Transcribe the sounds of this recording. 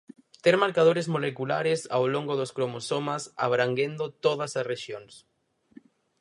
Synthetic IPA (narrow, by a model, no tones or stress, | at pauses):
t̪eɾmaɾkað̞oɾezmolekula̰ɾesawloŋɡoðoskɾomosomasa̰βɾaŋɡend̪ot̪oð̞asasreʃjoŋs